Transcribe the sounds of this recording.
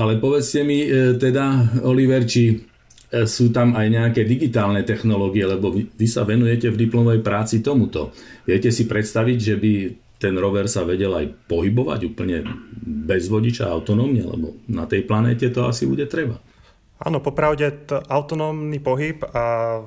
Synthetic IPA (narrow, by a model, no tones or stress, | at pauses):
alɛpɔʋɛt͡scɛmit̪ɛd̪aɔliʋɛɾt͡ʃi | suːt̪amajɲɛakɛːd̪iɡit̪aːlnɛt̪ɛxnɔlɔːɡiɛlɛbɔʋiʋisaʋɛnujɛcɛvd̪iplɔmɔʋɛjpɾaːt͡sit̪ɔmut̪ɔ̰ʋɪɛcɛsipɾɛt̪st̪aʋiɟʒɛbi | t̪ɛnɾɔʋɛɾsaʋɛɟɛla̰jpɔɦibɔʋa̰ɟuːpl̩ɲɛ̰bɛzʋɔɟit͡ʃa̰a̰ʊt̪ɔnɔːmɲɛalɛ̰bɔ̰na̰t̪ɛjplanɛ̰ːcɛt̪ɔa̰sibuɟɛt̪ɾɛba̰ | a̰ːnɔpɔpɾaʊɟɛʔaʊt̪ɔnɔːmnipɔɦipa